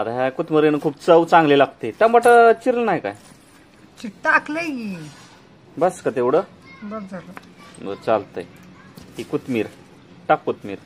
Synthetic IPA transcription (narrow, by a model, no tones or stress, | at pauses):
at̪aɦãkut̪məɾenkʰuːb̚t͡səwt͡sãŋɡlelaɡ̚t̪et̪jãmbaʈət͡ɕiɾlnaɦjka̰j | t͡ɕiʈʈakleji | bəskət̪eʋɽə | bəd͡zəɾ | ə̰t͡salt̪ə̰jɦikut̪miɾ | ʈakːut̪mḭːɾ